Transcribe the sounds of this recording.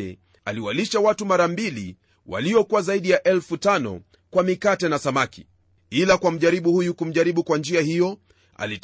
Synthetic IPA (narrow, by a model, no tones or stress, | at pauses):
ɛ | a̰liwaliʃawatumaɾambili | wa̰liɔkuwazaiɗijaʔɛlfutanɔ̰ | kwamikatɛnasamaki | ilakwam̩ʄaɾiɓuhujukum̩ʄaɾiɓukwand͡ʒiahijɔ | a̰lit